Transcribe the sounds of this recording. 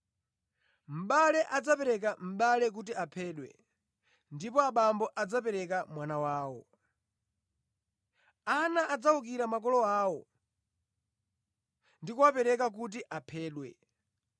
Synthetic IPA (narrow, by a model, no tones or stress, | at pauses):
m̩ɓalɛʔad͡zapɛɾɛk̬am̩ɓalɛk̬ut̬iapʰɛːɗwɛ̰ | ndipɔaɓambɔʔad͡zapɛɾɛkamwanawaːwɔ | anaʔːd͡zaukiɾamak̬ɔlɔaːwɔ | ndikuwapɛɾɛkak̬ut̬iʔapʰɛːɗwɛ̰